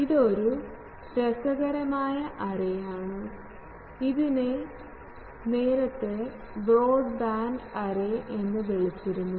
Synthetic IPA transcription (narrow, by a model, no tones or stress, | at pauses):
iðo̞ɾu | ɾɐsɐɣɐɾɐmaːjɐʔɐreaːɳɨ | iðine | ne̞ːɾɐt̪ːe | bro̞ːɖbaːɳɖɐreʔe̞nːɨʋiɭit͡ɕːiɾunːu